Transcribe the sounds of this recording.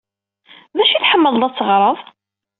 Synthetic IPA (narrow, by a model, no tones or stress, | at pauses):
ðæʃiθħəmːəðˤlɑt͡sːəʁɾˤəðˤ